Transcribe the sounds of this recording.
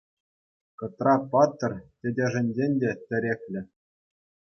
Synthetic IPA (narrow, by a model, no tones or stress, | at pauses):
kɤ̆t̪rɑpɑt̪ːɤ̆rʲtʲɘ̆dʲĕʐɘ̆nʲzenʲdʲetʲɘ̆ɾʲekʲlʲɘ̆